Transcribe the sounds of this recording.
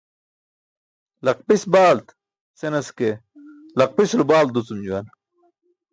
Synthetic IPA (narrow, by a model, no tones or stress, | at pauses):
lɐq̚pisbaːlt̪ | senɐske | lɐq̚pisulubaːld̪ut͡sumd͡ʑuwɐn